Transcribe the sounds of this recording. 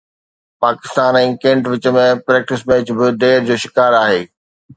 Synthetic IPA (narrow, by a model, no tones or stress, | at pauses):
paːkɪst̪aːnɛ̃ːkẽːɳʈʋɪt͡ɕə̆mẽpɾɛːk̚ʈɪsmẽɪt͡ɕʊ̆bɪd̪eːɾd͡ʑoːʃɪ̥kaːɾaːɦeː